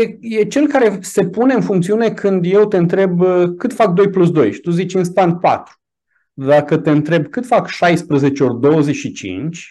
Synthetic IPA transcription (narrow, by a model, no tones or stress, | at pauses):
jeje̞t͡ʃe̞lkaɾe̞se̞pune̞ɨnfuŋkt̪siune̞kʰɨnd̪je̞wt̪e̞ɨnt̪ɾe̞bkɨt̪fak̚d̪o̞jplus̬d̪o̞̰jʃi̥t̪uzit͡ʃʲɨnst̪ant̪̚pa̰t̪ɾu̥ | d̪akət̪e̞ɨnt̪ɾe̞bkɨt̪fakʃajspɾəze̞t͡ʃeo̞rd̪o̞wəzet͡ʃʃit͡ʃḭnt͡ʃʲ